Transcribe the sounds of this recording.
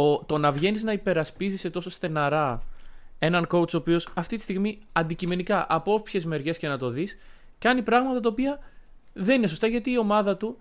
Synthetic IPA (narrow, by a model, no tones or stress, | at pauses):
ot̪o̞nɐvʝe̞niznɐipe̞ɾɐspizise̞t̪o̞so̞st̪e̞nɐɾɐ | e̞nɐŋko̞ut͡so̞ːpio̞sɐft̪it̪i̥st̪iɣmiɐnd̪icime̞nikɐʔɐpo̞pçe̞zme̞ɾʝe̞sce̞nɐt̪o̞ðis | cɐnipɾɐɣmɐt̪ɐt̪̬ɐopiɐ | ðe̞nineso̞st̪ɐʝɐt̪iːo̞mɐðɐt̪u